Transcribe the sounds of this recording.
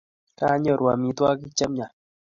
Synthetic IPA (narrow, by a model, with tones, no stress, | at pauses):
ka˦ɲo˦˨ɾwa˨mi˨t̪wa˦ki˦t͡ʃa˦mɲa˨